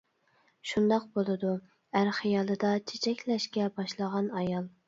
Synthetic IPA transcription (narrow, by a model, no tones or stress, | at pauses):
ʃund̪ɑq̚bolˠɨd̪u | æɾχijɑːlˠɨd̪ɑt͡ʃʰe̥t͡ʃʰɛkʲlɛʃkʲɛbɑʃlˠəʁɑnɑjɑlˠ